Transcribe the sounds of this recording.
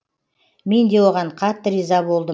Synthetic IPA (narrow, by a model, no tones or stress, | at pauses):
me̞nd̪e̞wo̞ʁɑɴqʰɑt̪ːəɾizɑbo̞lˠd̪ə